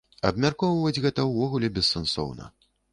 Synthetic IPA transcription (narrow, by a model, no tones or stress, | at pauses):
ɐ̰bmʲarkɔwɐvɐd͡zʲɣɛt̪ɐwvɔɣulʲɛbʲɛsːɛnsɔ̰wnɐ̰